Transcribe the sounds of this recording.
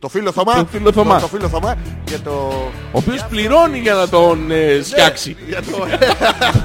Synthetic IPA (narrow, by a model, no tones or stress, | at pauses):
t̪ofiloθomɐofiloθomɐt̪ofiloθomɐcet̪o | o̰ːpio̞spliɾo̞niʝɐnɐt̪o̞nesçɐksiʝɐt̪o